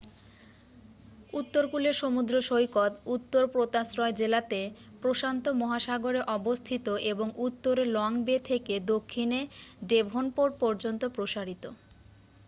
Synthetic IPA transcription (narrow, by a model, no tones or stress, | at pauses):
ut̪ːoɾkuleɾʃomud̪ɾoʃojkɔt̪ut̪ːoɾpɾot̪asɾɔed͡ʑelat̪e | pɾoʃant̪omɔɦaʃaɡoɾeʔɔbost̪ʰit̪oʔeboŋut̪ːoɾelɔŋbet̪ʰeked̪okʰːineɖebʱonpoɾpɔɾd͡ʑont̪opɾoʃaɾit̪o